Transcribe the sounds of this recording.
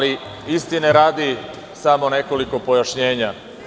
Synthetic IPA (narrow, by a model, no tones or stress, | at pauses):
li | ist̪ineɾaːd̪i | samo̞ne̞ko̞liko̞po̞jaʃɲe̞ːɲa